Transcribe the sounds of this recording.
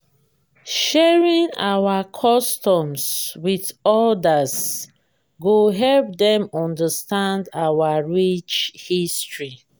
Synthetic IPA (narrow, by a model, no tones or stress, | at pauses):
ʃɛɹĩŋa̰wakʰɔstɔ̃mswiθɔdas | ɡoɦɛlp̚dɛ̃mɔ̃ndastãndawaɹit͡ʃhistɹi